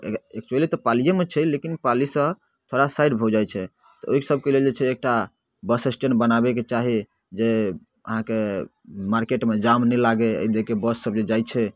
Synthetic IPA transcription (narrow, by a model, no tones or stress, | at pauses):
ḛek̚t͡ʃuəlit̪ɔpalijemet͡ʃʰɛlekinpalisə | t̪ʰoɽasaɪɖbʱɔd͡ʒajt͡ʃʰɛ | t̪ɔoɦisəb̚ʱkeleld͡ʒet͡ʃʰɛːk̚ʈa | bəsesʈenbənabɛket͡ʃaɦi | d͡ʒe | ə̰ɦãke | maɾkeʈmed͡ʒamnɛlaɡeə̰id̪ekebəsːəbd͡ʒed͡ʒajt͡ʃʰɛ